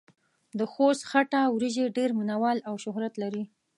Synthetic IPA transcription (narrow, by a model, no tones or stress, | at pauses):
d̪əxost̪xaʈawɾiʒeɖeɾmunawɑlawʃʊɦɾat̪laɾi